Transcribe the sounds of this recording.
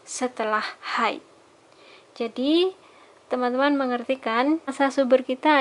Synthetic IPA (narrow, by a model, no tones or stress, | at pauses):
sət̪əlahhaj̰ | d͡ʒadi | t̪əmant̪əmanməŋərt̪ikansasubərkit̪a